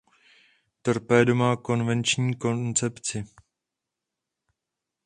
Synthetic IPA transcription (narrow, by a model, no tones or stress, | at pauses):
t̪r̩pɛːdo̞mako̞nvɛnt͡ʃɲiːko̞nt͡sɛpt͡sɪ